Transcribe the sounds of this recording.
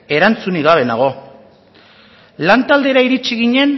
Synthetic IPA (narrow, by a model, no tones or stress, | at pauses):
e̞ɾant͡suniɣaβe̞naɣ̞o̞ | lant̪ald̪e̞ɾaiɾit͡ʃiɣiɲe̞n